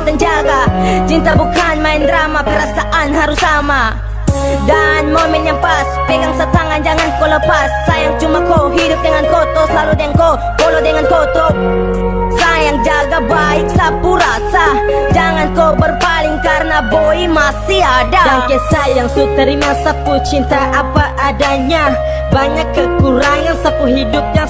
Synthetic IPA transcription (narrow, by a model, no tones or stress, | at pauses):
t̪and͡ʒaɡat͡ʃint̪abukanmaɛnd̪ɾamapəɾasaʔanɦaɾusama | danmɔmɛnjaŋpaspɛɡaŋsət̪aŋand͡ʒaŋankoləpasːajaŋt͡ʃumakoɦidʊp̚dɛŋankɔt̪ɔslaludɛŋko | kɔlɔdɛŋankot̪ɔ | sajaŋd͡ʒaɡabaɪk̚sabuɾasad͡ʒaŋankobərpalɪŋkaɾənaboimasiadadaŋkesajaŋsut̪əɾimasaput͡ʃint̪aʔapaʔːdaɲa | baɲakːəkuɾaŋansapuɦidʊp̚ɲa